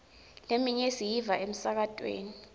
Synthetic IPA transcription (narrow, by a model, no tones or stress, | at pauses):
lemiɲesijivaʔem̩sak̬atʼwḛːni